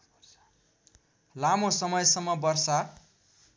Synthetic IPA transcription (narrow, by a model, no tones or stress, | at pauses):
lamosʌmʌjsʌmːʌbʌrsa